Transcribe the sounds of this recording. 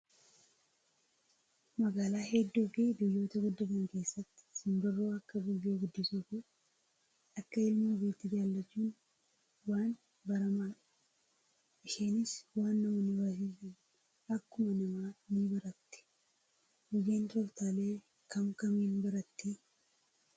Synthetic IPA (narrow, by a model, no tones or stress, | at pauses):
mɐɡaːlaːɦɛd̪ːuːfid̪ʊjːo̞ːt̪ɐɡʊd̪ːɐt̪ɐŋke̞ːsːɐt̪ːɪ̥sɪnbɪrːoːɐkːɐbɪjːoːɡʊd̪ːɪsʊkʊ | ɐkːɐɪlmɐbɪːt̪ːɪd͡ʒaːlːɐt͡ʃːuːn | waːn | bɐɾɐmaːᶑ | ɪʃeːnɪswaːnːɐʊnɪbɐsɪsi | ɐkːʊmɐnɐmaːnibɐɾɐt̪ːɪ̥ | ɡʊjeːnt̪ɔɾt̪aːle̞ː | kʰɐmkɐmiːnbɐɾɐt̪ːɪ